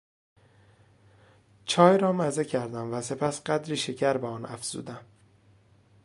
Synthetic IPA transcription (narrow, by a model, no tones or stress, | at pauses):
t͡ʃʰɒːjɾɒːmæzecʰæɾd̪æmvæse̞pʰæsɢæd̪ɾiːʃecʰæɾbeɒːnæ̰fz̥ṵːd̪æm